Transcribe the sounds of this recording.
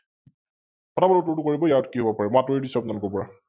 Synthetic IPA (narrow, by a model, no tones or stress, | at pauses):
kɔtabɔlɔtuɹtukoɹibɔjaɔtkiɦobɔpaɹɛmatɔedisɔpnalɔkɔpɔɹa